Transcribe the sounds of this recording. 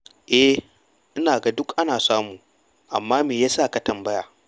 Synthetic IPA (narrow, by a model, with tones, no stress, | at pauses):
ʔɛ˦ | ʔɪ˦naː˨ɡa˦dʊ˦kʔa˦naː˨saː˦muː˨ | ʔa̰˨mːaː˦meː˨jaː˦saː˦˨ka˨tɐ˨mbɐ˦jaː˨